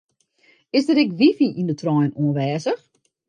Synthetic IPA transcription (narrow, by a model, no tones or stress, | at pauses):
ɪsdətɛkʋifiʔindətʰrɔjnuənʋɛːzəx